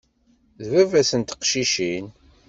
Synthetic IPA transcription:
ðvævæsənt̪ə̥qʃiʃin

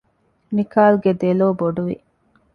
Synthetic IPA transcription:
mikaːlɡed̪eloːboɖuʋḭ

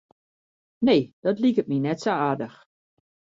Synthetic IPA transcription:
neːd̥ɔtlikət̚minɛtsoaːdəx

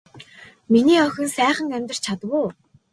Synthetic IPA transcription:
miniːœxʲɵ̆nsæːχə̆ŋæmʲt̪ə̆r̥t͡ɕt͡ɕʰat̪wʊː

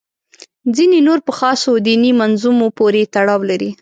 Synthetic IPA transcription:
zinenoɾpəxɑsod̪inimanzumopoɾet̪aɽɑwlaɾi

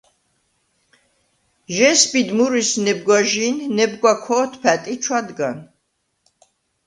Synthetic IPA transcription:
ʒɛsbid̪muɾisnɛb̚ɡwaʒinnɛbɡwakʰɔt̪ʰpʰæt̪ʼit͡ʃʰwad̪ɡan

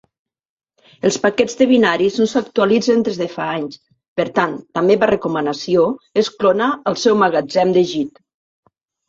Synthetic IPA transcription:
əlˠspakɛd͡zd̪əβinaɾiznosakt̪ualid͡zend̪ezðefaaɲs | pəɾt̪ant̪ameβarəkumənasioesklonaːlˠsɛwmaɣad͡zɛmd̪eʒit̪

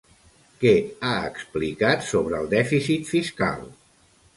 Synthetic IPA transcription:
kɛaə̰ksplikat̪soβ̞ɾəːlˠd̪ɛfisit̪fiska̰lˠ

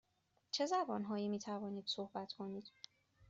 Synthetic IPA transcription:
t͡ʃʰe̞zæbɒːnɦɒːjiːmiːt̪ʰævɒːniːd̪̥sohbæt̪ʰkʰo̞niːd̪̥

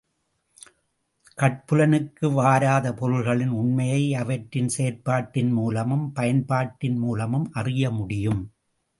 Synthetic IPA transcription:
kɐʈ̚pɯlɐnɯkːɯʋaːɾaːðɐpɔɻɯlɣɐɭɪnʊɳmɐjɐɪɐʋɐʈɾɪnseːɾpaːʈːɪnmuːlɐmɯmpɐjɐnpaːʈːɪnmuːlɐmɯmʔɐrɪjɐmʊɽɪjɯm

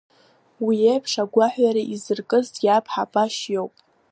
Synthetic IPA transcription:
wiejpʰʂaɡʷaħʷaɾaʔizɨrkʼɨztʼjʲapʰħabʼaʃjo̞wpʼ

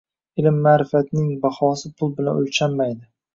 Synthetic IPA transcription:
ɪlɪmːaːɾɪfat̪nɪŋbahɒːsɪpʰʊlˠbɪlanolt͡ʃʰamːajd̪ɪ

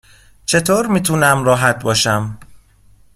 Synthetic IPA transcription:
t͡ʃʰe̞t̪ʰoːɾmiːt̪ʰuːnæmɾɒːɦæt̪̚bɒːʃæm

